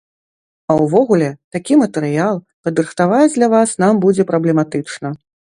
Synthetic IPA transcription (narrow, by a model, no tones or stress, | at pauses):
ɐwvɔɣulʲɛt̪akʲimɐt̪ɛɾɨjalˠ | pɐd̪ɾɨxt̪avajd͡zʲd̪lʲɐvasnambud͡zʲɛpɾɐblʲɛmat̪ɨt͡ʂnɐ